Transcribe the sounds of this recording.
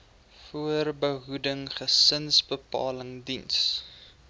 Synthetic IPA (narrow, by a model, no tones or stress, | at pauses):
fuərbəɦudəŋχəsənsbəpɑ̰ːləŋdins